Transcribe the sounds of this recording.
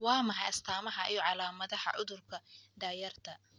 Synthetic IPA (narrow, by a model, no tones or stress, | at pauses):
wɑːmɐɦɐjɐst̪ʰaːmɐɦɐʔijɔʕɑlaːmɐðɐhɐ̰ʕʊðʊrkʰɐd̪aːjɐrt̪ʰɐ